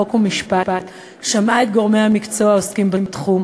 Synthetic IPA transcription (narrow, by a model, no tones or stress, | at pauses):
okumiʃpapat̪ | ʃamaet̪̚ɡo̞ʁmejhamikt͡so̞aoskimbemt̪χum